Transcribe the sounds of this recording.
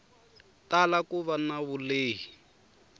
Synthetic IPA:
talakuβanaβuleːɦi

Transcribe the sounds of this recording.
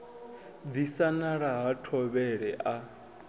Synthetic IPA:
d̪isanaɺaɦatʰɔβɛɺɛʔa

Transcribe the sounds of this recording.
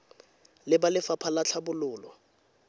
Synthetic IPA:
lɪbalɪfapʰalat͡ɬʰabʊlʊːlɔ

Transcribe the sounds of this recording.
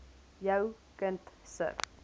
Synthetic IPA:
jaw | kəntsə̰ɾ

